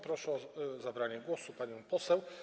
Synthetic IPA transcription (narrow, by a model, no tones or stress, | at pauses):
pɾɔʂɛɔzabɾaɲɛɡwɔsupaɲɔ̃w̃pɔsɛw